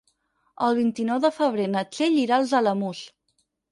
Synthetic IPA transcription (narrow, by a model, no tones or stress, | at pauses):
əlˠβ̞int̪inɔwðəfəβ̞ɾenət͡seʎiɾalˠzələmus